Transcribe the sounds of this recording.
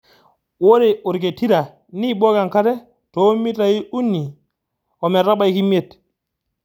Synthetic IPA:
wo˦ɾe˨u˨ɾke˨ti˦ɾa˨ | ni˦ɓo˦ka˨ŋka˦ɾe˦ | to˨˦mi˦ta˨ji˦ʔu˦nːi˨ | o˨me˨ɾa˦ɓa˦jki˦me˦˨t

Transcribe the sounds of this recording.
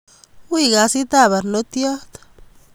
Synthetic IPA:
wi˦ɡa˧si˦t̪a˦˨βa˨ɾno˦t̪jo˦d̪

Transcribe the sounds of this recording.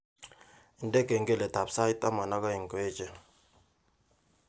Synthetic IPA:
i˨ndɛ˦ɡɛ˨ŋɡɛ˦˨lɛ˨ta˨psa˦i˦tʼa˦ma˨na˦ka˦i˨ŋkeː˦t͡ʃʼɛ˦˨

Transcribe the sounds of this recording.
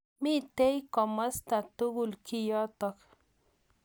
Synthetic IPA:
mi˦t̪e˦jkɔ˨mə˦st̪a˨t̪u˦ɣulki˦jɔ˦t̪ɔk

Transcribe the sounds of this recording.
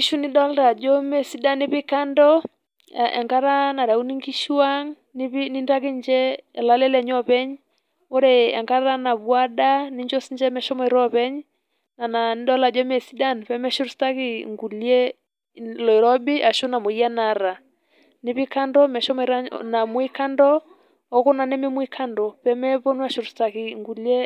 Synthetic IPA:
i˦ʃu˦ni˦ɗɔ˦lɾa˨d͡ʒɔ˦mɛ˨si˦da˦ni˦βi˦ka˦ndɔ̰˦ | ʔa̰˨ŋɡa˦ɾa˦na˨ɾa˨u˦ni˦ŋɡi˦ʃa˦ŋ | ni˦βini˦nda˦ki˦ɲd͡ʒɛ˦ɛ˨la˨˦lɛ˦lɛ˨ɲɔ˦pɛ˦ɲ | ɔ˦ɾɛa̰˨ŋɡa˦ɾɾa˦na˨βwa˦ɗa˦ni˦ɲd͡ʒɔ˦si˦ɲd͡ʒɛ˦mɛ˨ʃɔ˦mɔi˨ɾɔ˦βɛ˦ɲ | na˨na˨ni˦ɗɔ˦la˨d͡ʒɔ˦mɛ˨si˦da˦npɛ˦mɛ˦ʃu˦ɾu˦sta˦ki˨ŋɡu˨ljɛ˦ | lɔ˨i˨ɾɔ˦bi˦ʔa˨ʃu˦na˨mo˨ija˦na˨ɾa˨ | ni˨βi˦ka˦ndɔ˦mɛ˨ʃɔ˦mɔ˨i˨ɾa˦na˨mwi˦ka˦ndɔ˦ | ɔ˨ko˦na˨nɛ˦mɛ˦mwi˦kʰa˦ndɔ˨pɛ˨˦mɛ˦βo˦nwa˦ʃu˨ɾu˨sta˨ki˨ŋɡu˨ljɛ˦

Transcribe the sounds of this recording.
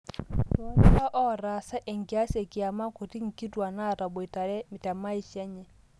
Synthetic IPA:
twɔ˦ŋ˦a˦ʔɔ˦˨ɾa˨sa˦ʔe˨ŋ˨ɡi˨a˦sɛ˨ki˨a˨ma˦ko˨ti˦ŋ̩˨ki˦twa˨na˦˨ta˨bo˨i˨ta˨ɾɛ˦mi˨ta˨ma˦i˦ʃa˦ɲɛ˨

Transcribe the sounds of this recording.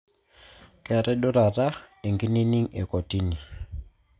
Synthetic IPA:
kɛ˨ɾɛ˦ɗɔ˦ɾa˨ta˦ɛ˨ŋɡi˦ni˦ni˦ŋɛ˨kɔ˨ti˦ni˨

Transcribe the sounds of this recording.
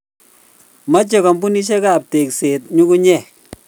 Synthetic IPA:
ma˦t͡ʃe˨kɔ˨mbu˦ni˦ʃ̬e˦ka˨p̚te˨kse˨t̚ɲu˦ku˦ɲɛ˦˨

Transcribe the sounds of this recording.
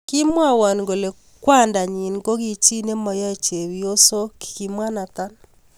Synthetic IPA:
ki˦mwa˦˨wa˨nɡo˨le˨ | kwa˦˨nda˨ɲi˨nko˦ɣi˨t͡ʃi˦ne˦mɔ˨jɔ˦e˨t͡ʃe˨wi˨˦o˦so˦ki̥˨ki˨mwa˦na˨t̪a˦n

